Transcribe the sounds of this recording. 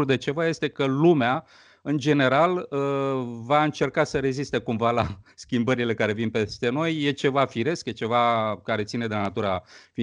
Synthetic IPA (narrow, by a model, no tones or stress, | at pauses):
ɾd̪e̞t͡ʃe̞vaje̞st̪e̞kəlumea | ɨnd͡ʒe̞ne̞ɾaləvaɨnt͡ʃe̞rkasəɾe̞zist̪e̞kumvalaskʲimbəɾile̞kaɾe̞vinpe̞st̪e̞no̞jːe̞t͡ʃe̞vafiɾe̞skje̞t͡ʃe̞vakaɾe̞t̪sine̞d̪e̞lanat̪uɾafi